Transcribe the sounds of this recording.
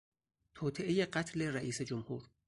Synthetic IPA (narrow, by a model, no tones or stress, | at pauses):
t̪ʰoːt̪ʰeʔeje̞ɢæt̪ʰle̞ɾæʔiːse̞d͡ʒomhuːɾ